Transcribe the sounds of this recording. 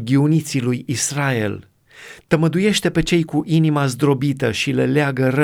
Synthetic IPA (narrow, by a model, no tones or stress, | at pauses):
ɡʲiunit̪silujisrae̞̰l | t̪əməd̪uje̞ʃt̪e̞pe̞t͡ʃe̞jkuʔinimazd̪ɾo̞bit̪əʃileleaɡəɾə